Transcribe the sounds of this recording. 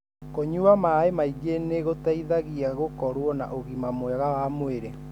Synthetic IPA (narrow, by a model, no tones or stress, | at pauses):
koɲuamaemaiɡeneɣotaiðaɣiaɣokɔɾwɔna̰ʔoɣimamwɛɣawamweɾe